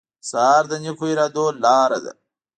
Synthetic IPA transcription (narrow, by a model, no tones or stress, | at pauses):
saːɾd̪ɐɲikʰuiɾad̪oːlaːɾɐ̰d̪ɐ̰